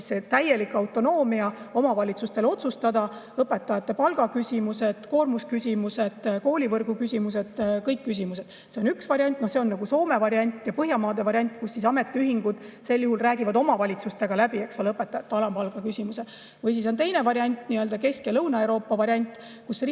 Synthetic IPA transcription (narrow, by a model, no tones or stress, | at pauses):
sːet̪æje̞likɑwt̪ːˑo̞no̞ːmiɑo̞mɑvɑlʲit̪sust̪e̞lo̞t̪sust̪ɑd̪̥ɑ | ɤpːe̞t̪ːˑɑjɑt̪ːe̞pɑlɡ̥ɑkysʲimuse̞d̪̥ko̞ːrmuskysʲimuse̞d̪̥ko̞ːlʲivɤrɡ̥ukysʲimuse̞d̪̥kɤjkːys̬ʲimuse̞d̪̥ | seo̞nyksvɑɾiɑnʲt̪ːˑnohse̞o̞nːɑɡuso̞ːme̞vɑɾjɑnʲt̪ːˑjɑpɤɦjɑmɑːd̪e̞vɑɾjɑnʲt̪ːˑkusːisɑme̞t̪ːˑeyɦiŋɡ̥ud̪̥se̞lːjuhulræːɡivɑd̪o̞mɑvɑlʲit̪sust̪e̞ɡ̥ɑlæbie̞kso̞leɤpːet̪ːɑjɑt̪ːeɑlɑmpɑlɡ̥ɑkysimuse | vɤjs̬iso̞nt̪e̞jne̞vɑɾiɑnʲt̪ːniø̞ld̪ɑke̞skelɤwnɑe̞wɾo̞ːpːˑɑvɑɾjɑnʲt̪ːˑ | kusr